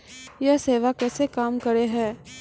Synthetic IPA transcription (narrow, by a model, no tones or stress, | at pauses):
jaseːʋakɛːsekaːmkɐɾeɦɛ̃ː